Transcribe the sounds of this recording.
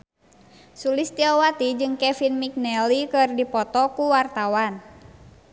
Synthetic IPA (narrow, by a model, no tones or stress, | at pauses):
sulist̪iɔwat̪id͡ʒɨŋkɛfinmik̚nɛlikɨrdipɔt̪ɔkuwart̪awan